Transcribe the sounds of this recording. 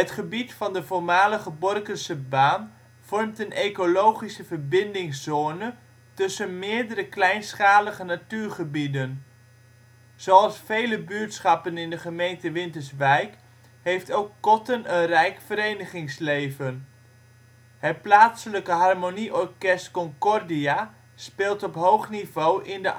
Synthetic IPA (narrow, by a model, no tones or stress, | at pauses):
ətχəbitfɑndəvoːɹmaːləχəbɔrkənsəbaːn | v̥ɔrmtənekolowχisəvəɹbɪndɪŋsoːnə | tɵsənmɪːɹdəɾəklɛjnsχaːləχənatyːɹχəbidən | soɑlˠsfejləbyːtsχɑpənɪndəχəmejntəʋɪntəɹsʋɛjk | hejftowkːɔtənənrɛjkfəɾejnəχɪŋslejvən | hət̚plaːtsələkəɦɑrmoniʔɔɹkɛstkɔŋkɔrdia | spɪːlˠtɔpɦowχnivowʔɪndə